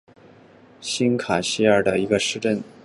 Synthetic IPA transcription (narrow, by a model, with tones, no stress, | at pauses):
ɕi˥nkʰa˨˩ɕi˥ə˞˥˩d̪ə˩i˧˥ɡə˧ʂɻ̩˥˧ʈ͡ʂə˥˩n